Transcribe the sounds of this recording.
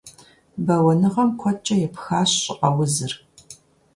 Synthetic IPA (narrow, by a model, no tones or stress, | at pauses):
bɐwɐnɨʁɐmkʷʰɔt͡ʃʼɐjɛpxaːɕɕʼɪʔʼɐwʊzɨr